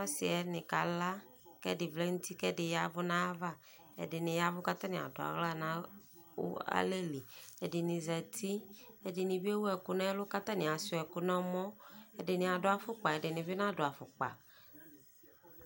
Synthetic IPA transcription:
ɔ˦sɪ˨ɛ˨nɪ̃˨ka˨la˦ | kɛ˦dɪ˨vlɛ˦ŋũ˦t̪i˦kɛ˦dɪ˨ja˦vʊ˦nã˦a˦va˦ | ɛ̰˨dɪ˨nɪ̃˨ja˦vʊ˦ka˦t̪a˦nɪ̃˨a̰˨dʊ˨a̰˨ɣla˦nã˨˦ | wʊ̰˦a̰˦le˦li˨ɛ˨dɪ˨nɪ̃˨zɛ˨t̪ʰi˦ɛ˨dɪ˨nɪ̃˨bi˦ɛ˦wu˦ɛ˨kʊ˦nã˦ɛ˦lʊ˦ka˦t̪a˦nɪ̃˨a˨sʊ˨˦ɛ˨kʊ˦nã˦mɔ̃˦ɛ˨dɪ˨nɪ̃˨a˨dʊ˦a˨fʊ˦k͡pa˨ɛ˨dɪ˨nɪ̃˨vɪ˦nã˦dʊ˨a˨fʊ˨k͡pa̰˨

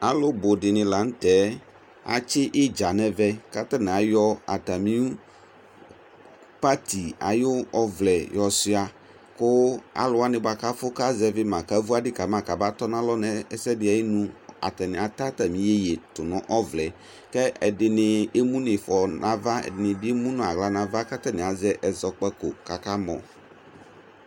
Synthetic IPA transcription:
a˨lʊ˦bʊ˨dɪ˨nɪ̃˨la˨n̩˦tɛ˨˦ | a̰˨t͡ʃɪ˦ʔɪ˦d͡ʒa˨nɛ˨vɛ˦ka˦ta˦nɪ̃˨a˨jɔ˦a̰˨ta˨mĩ˦u˦ | pa˦tʰi˨a̰˨jʊ˦ɔ˦vlɛ˨jɔ˨sɪ˦a˨ | kʊ˦a̰˨lʊ˨a˦nɪ̃˨ba˨ka˦fʊ˦ka˦zɛ˨vɪ˦mã˨ka˦vu˦a˦dɪ˦ka˨mã˨˦˨ka˨ba˦tɔ˦nã˦lɔ˦nɛ˦ɛ˦sɛ˦dɪ˨a˨ji˦nũ˦a̰˨tɛ˨nɪ̃˨a˨ta˦ta˨mĩ˨˦e˦je˨tʊ˨nʊ̃˦ʔɔ˦vlɛ˨ | kɛ˦ɛ˨dɪ˨nɪ˨e˦mũ˦nɪ˨fɔ˨nʔã˨va˦ɛ̰˨dɪ˨nɪ˨bi˦e˦mũ˦nʊ̃˨a˨ɣla˦nã˨va˦ka˦tɛ˦nɪ̃˨a˨zɛ˦ʔɛ˨zɔ˨k͡pɛ˦ko˨ka˨ka˦mɔ̰̃˨

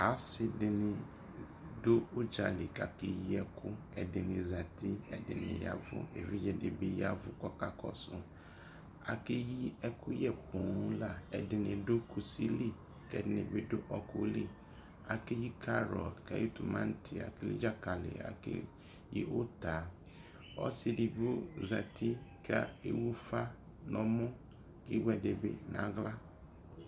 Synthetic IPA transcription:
a˨˦sɪ˦dɪ˨nɪ̃˨ | do˦o˦d͡ʒa˨li˨ka˨kɪ˦ji˦ɛ˦kʰʊ˦ | ɛ˨dɪ˨nɪ̃˨za˨t̪i˦ɛ˨dɪ˨nɪ̰̃˨ja̰˦vʊ̰˦ḛ˨vi˦jɛ˨de˨be˦ja˦vʊ˦kɔ˦ka˦kɔ̰˦sʊ̃˦ | a̰˨ke˦ji˦ɛ˦kʊ˦jɛ˦pũ˨˦la˦ɛ˨dɪ˨nɪ̃˨do˦ku˨si˦li˦ | kɛ˨dnḛ˨be˨ɖo˦ʔɔ˨ko˨li˦ | a̰˨ke˦ji˦kʰa˦ɾɔ˨tka̰˦ji˦t̪u˨mã˦n˦t̪ʰi˨a̰˨ke˦lḭ˦d͡ʒa˦ka˨lḛ˨a̰˨kḛ˦ | ji˦ʔo˦t̪a˨ | ɔ̰˦si˨di˨ɡo˦za˨t̪ʰi˦ka˦ḛ˦wu˦fa˦ | nɔ̃˦mɔ̃˦ | ke˦wɛ˨ɖe˨bḛ˨nã̰˨˦ɣla˦

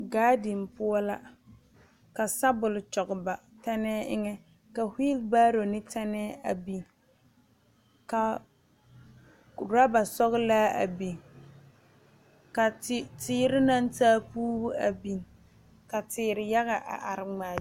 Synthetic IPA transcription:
ɡaː˦di˨npʊ˦ɔ˦la˦ | ka˨sa˦bʊ˨lt͡ʃɔ˨ɡba˨ | tɛ˦nɛː˦ɪ˦ŋɛ˦ | ka˨hi˦lbaː˦ɾo˨nɪ˦tɛ˦nɛː˦a̰˨bi˨n | ka˨ | ɾa˦ba˨sɔ˦ɣlaː˦a̰˨bi˨ŋ | ka˨˦tɪː˦ɾɪ˦na˦ntaː˦puː˦bʊ˦a˨bi˨ŋ | ka˨tɪː˨ɾɪ˨ja˦ɣa˨ʔa̰˨ʔa˨ɾɪ˨ŋ͡maː˨

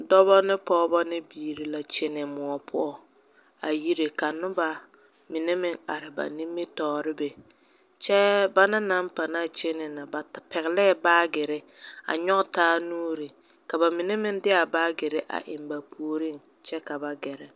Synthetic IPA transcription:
dɔ˦bɔ˦nɪ˦pɔː˦bɔ˦nɪ˦biː˨ɾi˦la˨t͡ʃɪ˦nɪ˨mʊ˨ɔ˨pʰʊ̰˦ɔ˨ | a˨ji˦ɾe˨ka˨nʊ˦ba˨ | mɪ˨nɛ˦mɪ˦ŋa̰˨ɾɪ˨ba̰˨ni˦mːɪ˦tɔː˨ɾɪ˦be˨ | t͡ʃɛ˦ba˦na˦na˦mpa˨naː˦˨t͡ʃɪ˦nɪ˨na˨ba˨pɛ˨ɣɪ˨lɛ˦˨baː˦ɡɪ˨ɾɪ˦ | a̰˨ɲɔ˦ʔtaː˦nuː˦ɾi˨ | ka˨ba˨mɪ˨nɛ˦mɪ˦n˦dɪ˦a˨baː˦ɡɪ˨ɾɪ˦ʔa̰˨ʔɪ̰˨mba˨pʰu˦˨o˦ɾi˦˨n | t͡ʃɛ˦ka˨ba˨ɡɛ˨ɾɛ˨

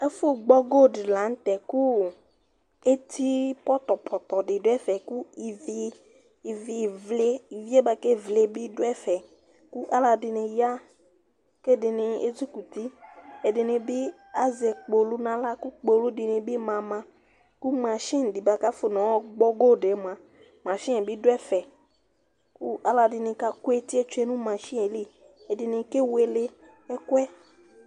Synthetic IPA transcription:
e˦fo˦ɡ͡bɔ˦ɡo˦˨ɖɪ˨la˨˦n̩˦t̪ɛ˨ku˦ | e˦t̪ʰi˦pɔ˦t̪ɔ˨pʰɔ˨t̪ɔ˨ɖɪ˨do˦ɛ˦fɛ˨ku˦i˨vi˦ | i˨vi˨vle˦i˨vi˦e˦ba˨ke˦vle˦bi˦do˦ɛ˦fɛ˨ | ku˦ʔa˦la˨dɪ˨nẽ˨ja˦ | ke˦dɪ˨nɪ̃˨ḛ˦d͡ʒu˦ku˨t̪i˦e˨dɪ˨nẽ˨bi˦ | a˦ze˨k͡po˨lu˦nã˦la˦ku˦k͡po˨lu˦di˨nẽ˨bi˦mã˨mã˨ | ku˦mã˨ʃĩ˦n˨di˨ba˨ka˦fo˨nɔ̃˨˦wɔ˦ɡ͡bɔ˦ɡo˦˨ɖe˨˦mã˨ | mã˨ʃĩ˦ẽ˨bi˦dɛ˦fɛ˨ | ku˦a˦la˨dɪ˨nẽ˨ka˦ku˦e˦t̪i˦e˦t͡ʃe˦nũ˦mã˨ʃĩ˦e˨li˦ | e˨dɪ˨nẽ˨ke˦we˨le˦ | e˦kwɛ˦

